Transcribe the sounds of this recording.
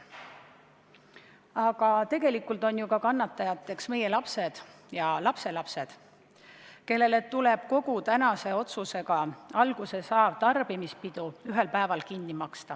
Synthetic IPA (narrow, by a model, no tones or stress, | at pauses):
ɑɡ̥ɑt̪e̞ɡ̥e̞likːˑult̪o̞njukɑkɑnːɑt̪ːˑɑjɑt̪ːˑe̞ksme̞je̞lɑpse̞d̪̥ | jɑlɑpse̞lɑpse̞d̪̥ | ke̞lːe̞let̪ːuleb̥̚ko̞ɡut̪ænɑse̞o̞t̪suse̞ɡɑɑlɡ̥use̞sɑːb̥̚t̪ɑrb̥imispid̪̥uyɦe̞lpæevɑlkinːimɑkst̪ɑ